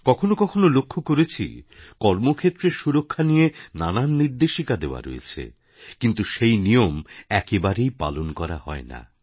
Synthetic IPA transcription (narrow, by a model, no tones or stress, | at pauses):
kɔkʰonokɔkʰonolokʰːokoɾet͡ɕʰḭkɔɾmokʰet̪ːɾeʃuɾokʰːanijenananːiɾd̪eʃikad̪eoa̰ɾo̰ḛt͡ɕʰḛ | kint̪uʃejnijomɛkebaɾejpa̰lonkɔɾahɔ̰ena̰